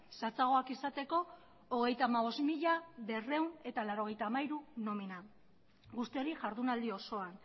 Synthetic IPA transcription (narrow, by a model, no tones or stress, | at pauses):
sat͡saɣ̞o̞akisat̪e̞ko̞ː | ɣ̞e̞jt̪aːmaβ̞o̞zmiʎaβe̞re̞une̞t̪alaɾo̞ɣ̞e̞jt̪aːmaiɾuno̞mina | ɣust̪io̞ɾiʝaɾðunald̪io̞so̞an